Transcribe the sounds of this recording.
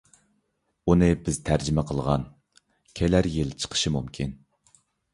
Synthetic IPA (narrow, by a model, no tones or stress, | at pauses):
unɨbɪz̥t̪ʰæɾd͡ʒɪmɛqʰəlˠʁɑn | kʲʰelæɾjɪlt͡ʃʰə̥qʰə̥ʃɨmumkʲʰin